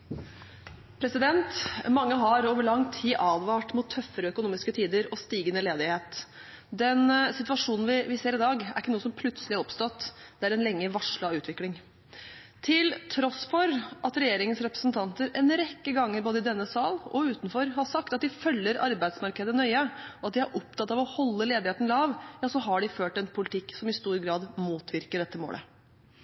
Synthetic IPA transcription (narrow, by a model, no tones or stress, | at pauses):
pʰɾɛsɪd̪ɛnt̪mɑŋːəɦɑɾoːʋəɭɑŋːt̪ʰiːʔɑːd̪ʋɑːʈmʊt̪ʰːœfəɾəœkʊnuːmɪskət̪ʰiːd̪əɾɔst̪iːɡənəleːd̪ɪheːt̪ | d̪ɛnsɪt̪ʉʋɑʂuːnn̩ʋɪʋɪseːɾɪd̪ɑːɡæ̰ɾɪkːənuːəsɔmpʰlʉt̪səlɪæɾɔpst̪ɔt̪ːd̪̥ɛæɾɛnlɛŋːəʋɑʂɭəʉːt̪ʋɪklɪŋ | t̪ʰɪlt̪ʰɾɔsfɔɾʔɑt̪ɾɛjeːɾɪŋənsɾɛpɾə̥sn̩t̪ʰɑnt̪əɾɛnɾɛkːəɡɑŋːəɾboːd̪əɪd̪ɛnːəsɑːlɔ̰ʉːt̪n̩fɔɾhɑsɑk̚t̪ɑt̪̚d̪ɪfœlːəɾɑ̰ɾbæɪd̪smɑɾkəd̪ənœʏəɔɑt̪̚d̪ɪæɾʔɔpt̪ʰɑt̪ːɑʋɔhɔlːəleːd̪ɪheːt̪n̩lɑːʋjɑːsɔɦɑɖɪføːʈɛnpʰʊlɪt̪ʰɪkːsɔmɪst̪uːɾɡɾɑːd̪muːt̪ʰʋɪɾkəɖɛt̪ːəmo̰ːlə̰